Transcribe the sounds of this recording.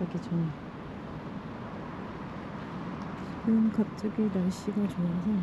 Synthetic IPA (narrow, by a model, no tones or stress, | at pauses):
aɡit͡ɕʰʌ | ɡɯnkap̚t͡ɕ͈ʌɡinaɭɕ͈iɡat͡ɕoasʰʌ